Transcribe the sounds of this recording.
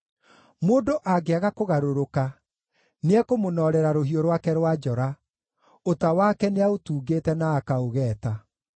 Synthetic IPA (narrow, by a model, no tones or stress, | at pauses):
moːdoʔaɡeaɣakoɣaɾoɾoka | neɛkomonɔːɾɛɾaɾoɦioɾwaːkɛɾwad͡ʒɔɾa | otawaːkɛneaotuːɡeːtɛnaːkaoɣɛːta